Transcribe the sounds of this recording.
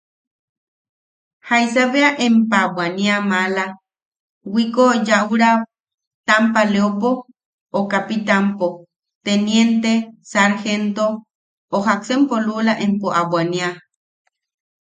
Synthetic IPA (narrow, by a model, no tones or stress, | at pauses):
hajsaβeaʔempawaniamala | wikojauɾa | t̪ampaleopo | okapit̪ampo | t̪enjent̪esaɾxent̪o | oɦaksempolulaʔempoʔaβwania